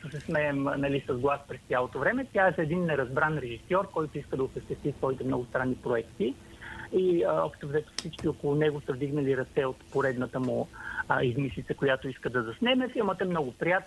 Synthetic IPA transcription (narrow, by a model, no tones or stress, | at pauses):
səsɛsmɛːmnɐlisɐzɡlˠaspɾɛst̪jalˠot̪ovɾɛmɛt̪ʲjaɛsɛd̪inːɛɾɐzbɾanɾɛʒisɔɾkɔjt̪oiskəd̪ɐʊsəʃt̪ɛst̪isvɔit̪ɛmnɔɡʊst̪ɾanːipɾoɛkt̪i | iɔ̰pʃtt̪ovzɛt̪ə̥fsit͡ʃkiokolˠʊnɛɡosəvd̪iɡnɐliɾɐt̪sɛot̪poɾɛd̪nət̪əmʊizmislit̪səkojat̪oiskəd̪ɐzɐsnɛmɛfilˠmət̪əɛmnɔɡʊpɾijat̪n